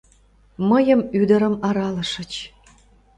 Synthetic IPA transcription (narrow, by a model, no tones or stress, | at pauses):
məjəmyd̪ə̆ɾəmɑɾɑlə̆ʃə̆t͡ɕ